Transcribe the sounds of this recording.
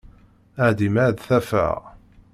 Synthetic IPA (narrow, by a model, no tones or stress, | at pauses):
əʕd̪imaʕd̪θæfə̰ʁ